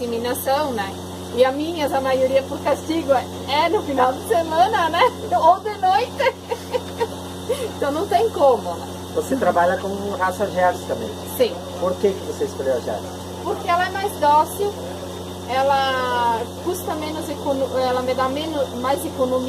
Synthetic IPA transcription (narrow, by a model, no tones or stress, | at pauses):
iminasɐ̃w̃nɛ | ɪɐmĩɲɐzɐmajoɾiɐpʊɾkast͡ʃiɡʊ | ɛnʊfinawd̪ɪsemɐ̃nɐnɛowd̪enojt̪ɪ | ẽt̪ɐ̃w̃nɐ̃w̃t̪ẽj̃kõmʊ | voset̪ɾabaʎɐkõɦasɐʒɛɾʊst̪ɐ̃mbḛ̃j̃sĩ | poɾkekɪvosespeɾeaʒɛ̰ɾs | poɾkeɛlɐɛmajzd̪ɔsiʊ | ɛlɐ | kust̪ɐmẽnʊzekonoɛlɐmɪd̪amẽnʊmajzekonomi